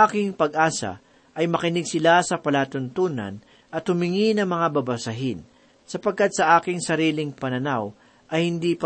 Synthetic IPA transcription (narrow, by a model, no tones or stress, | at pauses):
aːkɪŋpɐɡ̚ʔaːsɐ̰ | ʔɐjmɐkɪnɪɡ̚sɪlasɐpɐlaːt̪ʊnt̪uːnɐ̰n | ʔɐt̪hʊmɪŋinɐŋmɐŋabɐbɐsɐɦɪn | sɐpɐɡ̚kːat̪̚sɐʔaːkɪŋsɐɾiːlɪŋpɐnɐnaw | ʔɐjhɪnd̪iːp